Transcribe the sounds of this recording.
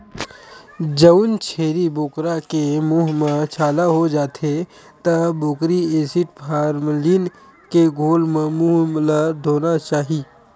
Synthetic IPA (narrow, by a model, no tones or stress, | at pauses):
d͡ʒənt͡ʃʰeːɾibʊːkɾakemuːɦmət͡ʃʰaːlaɦod͡ʒaːt̪ʰe | t̪əbʊːkɾieːsɪʈpʰaːɾmliːn | keɡʱoːlmemuːɦmlad̪ʱoːnat͡ʃaːɦiː